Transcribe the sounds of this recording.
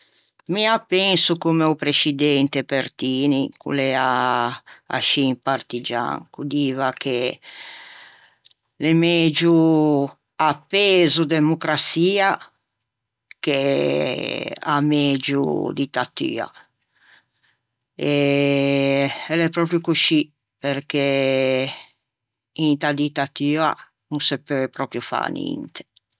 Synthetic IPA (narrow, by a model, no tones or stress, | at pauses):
miapːɛnsukomeupɾesid̪ɛnt̪epert̪iːnikṵlɛa | a̰ʃiimpart̪id͡ʒa̰ŋkud̪iːvakʰe | lemed͡ʒu | apːeːzud̪emukɾat̪siːa | ke | a̰med͡ʒṵd̪it̪ːat̪y̰ːa̰ | ɛ | ɛlɛpɾɔpɾjukuʃi | peɾke | int̪ad̪it̪at̪yːa | nusɛpːepɾɔːpɾjufa̰nḭnt̪ʰe̥